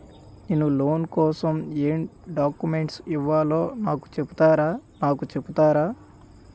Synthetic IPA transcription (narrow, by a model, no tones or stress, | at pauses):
neːnulo̞ːnkɔːsɐmeːmɖaːkːumeɳʈsiʋːaːloːnaːku̥t͡ʃebu̥t̪aːɾaːnaːkut͡ʃebut̪aːɾaː